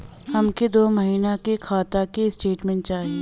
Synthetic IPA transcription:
hɐmked̪oːmɐɦiːnakekʰaːt̪akesʈeːʈmɛ̃ɳʈt͡ʃaːɦi

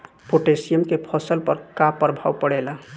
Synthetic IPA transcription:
poʈesijəmkepʰɔsəlpəɾkapːəɾbʱawpəɽɛla

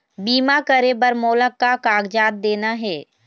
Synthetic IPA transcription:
biːmakəɾebəɾmoːləkːakaːɡd͡ʒaːt̪̚d̪eːnaɦɛː

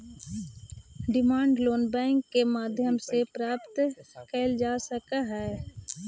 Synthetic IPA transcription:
ɖɪmaːɳɖloːnbɛ̃ːŋkːemaːd̪ʱjəmsepɾaːpt̪kɛɪld͡ʒaːsəkaɦɛː

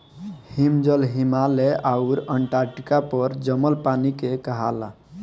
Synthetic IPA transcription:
himd͡ʒəlɦimaleʔauɾəɳʈaɾʈkapəɾd͡ʒəməlpanikekəɦa̰la̰

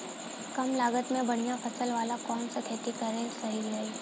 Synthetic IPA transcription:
kɐmlaːɡət̪mẽbɐɽ̃ijafʰɐsəlʋaːlakɔːnsekʰeːt̪ikɐɾesɐɦilɡɐiː

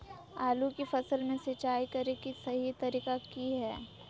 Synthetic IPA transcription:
aːlukifɐsəlmẽsɪt͡ʃaːikɐɾekisɐɦit̪ɐɾiːkakiɦɛː

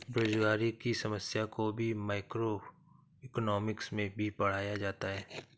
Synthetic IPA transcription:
bɾoːd͡ʒɡaːɾikisɐməsjakobʱimaːɪkɾo | ɪknɔːmɪksmẽbʱipɐɽ̤aːjad͡ʒaːt̪aɦɛː

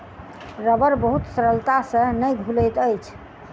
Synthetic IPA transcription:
ɾəbəɾbəɦut̪səɾəlt̪asə̃nəjɡʱulət̪əjt͡ʃʰ

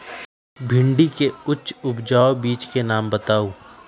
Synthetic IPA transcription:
bʱɪ̃ɳɖikeʊtːʃʊpd͡ʒaːobiːt͡ʃkenaːmbɐt̪aːuː

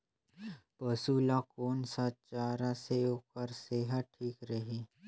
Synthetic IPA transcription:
pəsuːlakoːnsat͡ʃaːɾaseoːkəɾseːɦəʈʰiːkɾəɦi

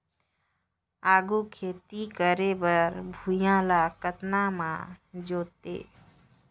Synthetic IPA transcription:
aːɡukʰeːt̪ikəɾebəɾbʱujãːlakət̪namã̰d͡ʒoːt̪ḛː

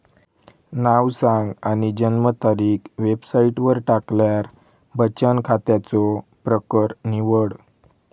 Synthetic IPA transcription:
naʋsãŋɡaɽ̃id͡ʑənmət̪aɾiːkʋebsaiʈʋəɾʈakljaɾ | bət͡ɕənkʰat̪jat͡sɔpɾəkəɾniʋəɽ

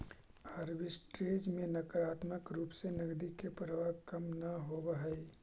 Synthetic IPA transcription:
ɐɾbɪsʈɾeːd͡ʒmẽnɐkəɾaːt̪məkɾuːpsenɐɡd̪ikepɾəʋakɐmnɐɦobaɦəi

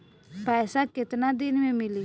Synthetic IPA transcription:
pasakit̪nad̪inmẽmili

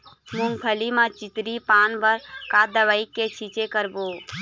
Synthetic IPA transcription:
mʊ̃ŋpʰəlimãt͡ʃɪt̪ɾipaːnbəɾkad̪əʋəikːet͡ʃʰit͡ʃekəɾboː

